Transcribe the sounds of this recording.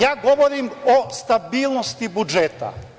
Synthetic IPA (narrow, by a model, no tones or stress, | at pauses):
jaːɡoʋoɾimost̪abiːlˠnost̪ibud͡ʒet̪a̰